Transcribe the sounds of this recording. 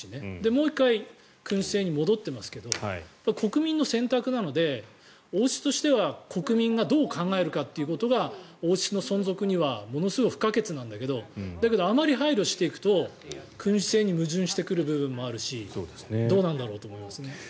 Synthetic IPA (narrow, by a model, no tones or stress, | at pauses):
ɕine̞d̪e̞mo̞ːikːai | kɯ̟̃ɰ̃ɕi̥se̞ːɲ̟imo̞d̪o̞t̪ːe̞masɨ̥ke̞d̪o̞apːaiko̞kɯ̟mʲĩnːo̞sẽ̞nt̪akɯ̟nano̞d̪e̞ | oːɕi̥t̪o̞ɕi̥t̪e̞βakʰo̞kɯ̟mʲĩŋɡad̪o̞ːkʰãŋɡae̞ɾɯ̟kat̪ːeiɯ̟ko̞t̪o̞ɡao̞ːɕino̞sõ̞nzo̞kɯ̟ɲ̟iβamo̞no̞sɨɡoɸɯ̥kake̞t͡sɨnãnd̪ake̞d̪o̞d̪ake̞d̪o̞amaɾʲiɦaiɾʲo̞ɕi̥t̪e̞ikɯ̥t̪o̞ | kʰɯ̟̃ɰ̃ɕi̥se̞ːɲ̟imɯ̟ʑɨ̃ɰ̃ɕi̥t̪e̞kɯ̟ɾɯ̟bɯ̟bɯ̟̃mːo̞aɾɯ̟ɕisod̪esned̪o̞ːnãnd̪aɾo̞ːt̪oːmo̞imasɨne̞